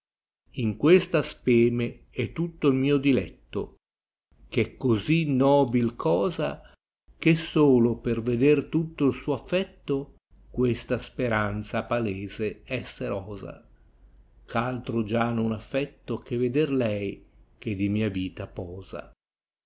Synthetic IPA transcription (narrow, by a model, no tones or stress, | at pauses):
iŋkwest̪aspɛːme | ɛt̪ːut̪ːoilmiːod̪ilɛt̪ːo̰ | kɛkːozinɔːbilkʰɔːza | k̟esːoːloperved̪ert̪ut̪ːoilsuːafːɛt̪ːo | kwest̪aspeɾant̪sapaleːzeɛsːeɾɔːza̰ | kalt̪ɾod͡ʒanonafːɛt̪ːokeved̪erlɛjk̟ed̪imiːaviːt̪apɔːz̥a̰